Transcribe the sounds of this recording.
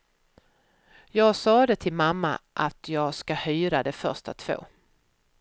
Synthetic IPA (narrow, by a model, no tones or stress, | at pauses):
jɑːɡsɑːd̪ɛt̪ʰɪlmamːa̰ʔat̪jɑːɡskahyːɾad̪ɛfœ̰ɾʂtat̪ʰv̥o̰ː